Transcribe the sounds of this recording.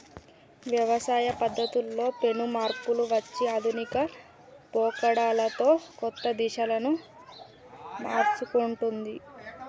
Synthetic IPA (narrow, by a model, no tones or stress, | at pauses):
ʋjɐʋɐsaːjɐpɐd̪ːɐt̪ulːo̞ːpe̞numaːɾpuluʋɐt͡ʃːiɐd̪ʱunikɐ | pɔːkɐɽaːlɐt̪o̞ːkɔt̪ːɐd̪iʃɐlɐnu | ma̰ːɾt͡ʃukuɳʈund̪i